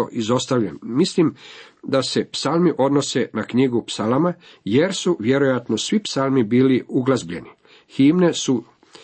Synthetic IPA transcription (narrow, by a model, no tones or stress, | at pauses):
o̰ʔizo̞st̪aʋʎanːislimd̪ase̞psalmiʔo̞d̪no̞se̞nakɲiɡupsalama | je̞ɾsuʋje̞ɾo̞jat̪no̞sʋipsalˠmibiːliuɡlazbʎe̞ni | xiːmne̞su